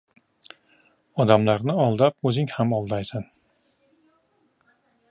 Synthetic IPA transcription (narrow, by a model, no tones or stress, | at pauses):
ɒd̪amlaɾnɪɒlˠd̪ap̚ɵzɪŋhamɒlˠd̪ajsan